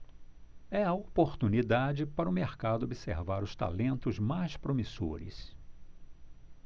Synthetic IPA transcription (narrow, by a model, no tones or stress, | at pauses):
ɛɐopoɾt̪unid̪ad͡ʒɪpaɾɐʊmeɾkad̪ʊobisḛɾvaɾʊst̪a̰lẽnt̪ʊzmajspɾomiso̰ɾɪ̰s